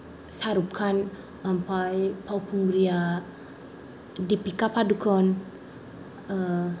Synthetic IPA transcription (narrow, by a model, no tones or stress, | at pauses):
saɾup̚kʰan | ampajpawpuŋɡɾia | dipikapadukɔn | ə